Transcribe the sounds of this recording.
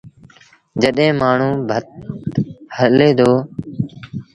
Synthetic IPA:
d͡ʒəɗɦẽːmaːɳ̤ũːbʱət̪ | həleːd̪ʱoː

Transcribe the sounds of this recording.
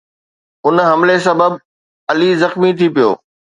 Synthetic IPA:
ʊnɦɐmles̬ɐbəb | ɐlizɐxmit̪ʰipijo̰ː

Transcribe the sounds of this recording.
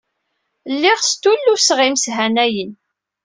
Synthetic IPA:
lːiʁst̪ulːusʁimsɦænæjən

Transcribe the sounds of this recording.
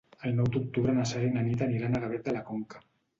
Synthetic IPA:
ajnawt̪uk̚t̪uβɾanasaɾenanit̪aniɾanaɣaβet̪̚d̪elakoŋkḁ

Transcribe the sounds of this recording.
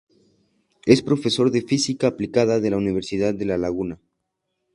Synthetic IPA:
e̞spɾo̞fe̞so̞ɾðe̞fisikaːplikaðaðe̞launiβ̞e̞ɾsiðaðːe̞lalaɣuna

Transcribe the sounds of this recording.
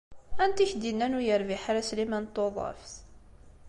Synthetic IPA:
ænt̪içd̪inːænʊjəɾviħaɾæslimænt̪ːoðˤɑ̰fθ

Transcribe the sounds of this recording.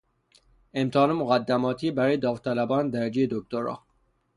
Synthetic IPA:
emt̪ʰːnemoɣæd̪ːæmɒːt̪ʰiebæɾɒːjed̪ɒːft̪ʰælæbɒːnd̪æɾæd͡ʒejed̪ok̚t̪oɾɒ̰ː

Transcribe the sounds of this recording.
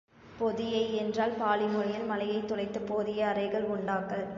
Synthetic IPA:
pɔðɪjɐɪɛndraːlpaːlɪmɔɻɪjɐlmɐlɐjɐɪt̪ːɔlɐɪt̪ːɯpoːðɪjɐːrɐɪɣɐɭʊɳɖaːkːɐɭ

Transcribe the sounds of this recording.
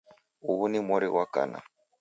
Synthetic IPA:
uhunimɔɾiwaka̰na̰

